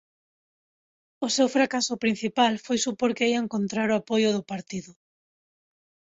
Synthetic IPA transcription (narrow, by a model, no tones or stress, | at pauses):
ʊsewfɾakasʊpɾin̟θipalfojsupoɾkeiaeŋkont̪ɾaɾʊapojʊðʊpaɾt̪iðʊ